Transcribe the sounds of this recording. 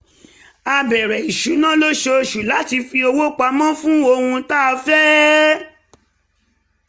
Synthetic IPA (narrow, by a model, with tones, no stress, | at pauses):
a˧bɛ˨ɾɛ˨i˨ʃu˨˦nã˦lo˦ʃe˧˨ʃu˨la˨˦ti˧fi˧o˧wo˦k͡pa˧˦mã˦fũ˦o˧hũ˧ta˦˧fɛ˦